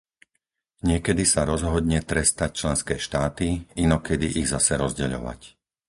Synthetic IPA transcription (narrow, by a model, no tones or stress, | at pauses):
ɲɪɛkɛd̪isaɾɔzɦɔd̪ɲɛt̪ɾɛst̪ac̚t͡ʃlɛnskɛːʃt̪aːt̪iinɔkɛd̪iʔiɣzasɛɾɔzɟɛʎɔ̰ʋa̰c